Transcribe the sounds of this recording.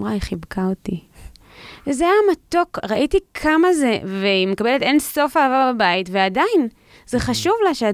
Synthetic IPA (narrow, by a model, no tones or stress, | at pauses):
mʁaiχibkati | zejamat̪o̞kʁaʔitikʰamazeveimekabelet̪enso̞faːvababaitveadajin | zeχaʃuvlaʃea